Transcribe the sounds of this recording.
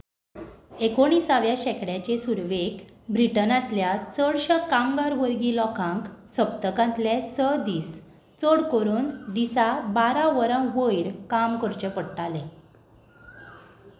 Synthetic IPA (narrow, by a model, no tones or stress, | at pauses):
ekoɽ̃iːsaʋjaɕɛkɽjat͡ɕesuɾʋekbɾiʈənãt̪ljat͡səɽɕəkamɡaɾʋəɾɡiːlɔkʰãŋksəp̚t̪əkãnt̪ljesəd̪iːs | t͡soɽkoɾuːnd̪isabaɾãʋəɾãʋəjɾkamkəɾt͡ɕəpəɽʈalẽ